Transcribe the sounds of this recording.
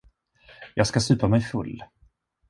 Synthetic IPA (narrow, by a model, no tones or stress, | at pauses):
jɑːɡskasʉ̟ːpamɛjfɵlː